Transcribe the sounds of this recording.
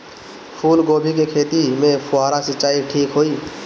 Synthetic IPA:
pʰuːlɡoːbʱik̬ekʰeːt̪imẽpʰʊaːɾasɪt͡ʃaːiʈʰiːkɦoːiː

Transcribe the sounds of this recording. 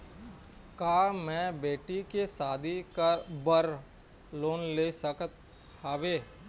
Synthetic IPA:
kaːmɛ̃ːbeːʈikesaːd̪ʱikabəɾ | loːnleːsəkət̪ | haːʋeː

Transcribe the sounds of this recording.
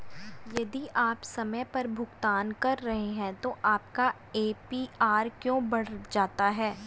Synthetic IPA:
jɐd̪iʔaːpsɐməjpɐɾbʱʊɡt̪aːnkɐɾːɐɦeɦɛ̃t̪oʔaːp̚ka | eːpiaːɾkjõːbɐɽ̤d͡ʒaːt̪aɦɛː

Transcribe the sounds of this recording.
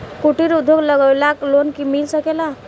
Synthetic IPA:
kuʈiɾud̪ʱːoɡləɡəwlaklonkimilsəkela

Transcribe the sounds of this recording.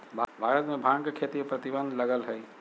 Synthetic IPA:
bʱbʱaɾət̪mebʱãŋkekʰet̪imepɾət̪ibənd̪ləɡəlɦəj

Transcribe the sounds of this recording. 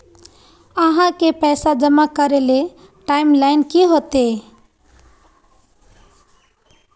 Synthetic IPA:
əɦãkepɛsad͡ʒəmakəɾele | ʈaimlajnkiɦot̪e

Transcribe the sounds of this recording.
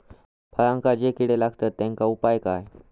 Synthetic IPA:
pʰəɾãŋkad͡ʑekiɽelaɡt̪ət̪ːɛ̃ŋkaupajkaj

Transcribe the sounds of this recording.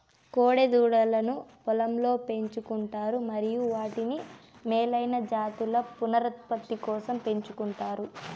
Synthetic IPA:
koːɽed̪uːɽɐlɐnupɔlɐmlo̞ːpe̞ɲt͡ʃukuɳʈaːɾumɐɾijuʋaːʈinimeːlɐjnɐd͡ʒaːt̪ulɐpunɐɾɐt̪pɐt̪ːikɔːsɐmpe̞ɲt͡ʃukuɳʈaːɾu

